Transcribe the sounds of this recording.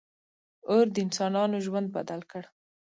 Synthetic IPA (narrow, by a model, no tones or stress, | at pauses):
oɾd̪əɪnsɑnɑnoʒwand̪̚ba̰d̪alkəɽ